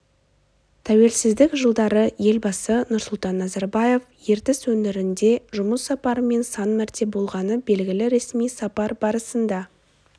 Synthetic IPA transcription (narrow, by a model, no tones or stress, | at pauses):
t̪ʰæwe̞lsɪzd̪ɪkʒəlˠd̪ɑɾəje̞lbɑsənʊɾsʊlˠt̪ɑnːɑzɑɾbɑje̞fje̞ɾt̪ɪswɵnɪɾɪnd̪e̞ʒʊməsːɑpɑɾəme̞nsɑnmæɾt̪ʰe̞bo̞lˠʁɑnəbe̞lɡʲɪlɪɾe̞smijsɑpɑɾbɑɾəsənd̪ɑ